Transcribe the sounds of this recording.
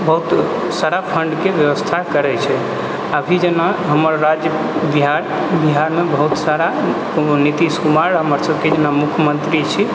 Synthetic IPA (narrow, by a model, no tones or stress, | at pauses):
bəɦut̪ | saɾapʰəɳɖkeʋjəʋəst̪ʰakəɾɛt͡ʃʰɛ | abʱid͡ʒenaɦəməɾːad͡ʒjə | biɦaɾ | biɦaɾmebəɦut̪saɾa | nit̪iskumaɾɦəməɾsəb̚ʱked͡ʒenamukʰjəmənt̪ɾit͡ʃʰi